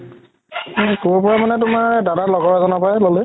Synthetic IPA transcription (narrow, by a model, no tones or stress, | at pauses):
kubɔpɔɹamanɛtʊmaɹdadalɔɡɔɹazɔnapajɛlɔlɛ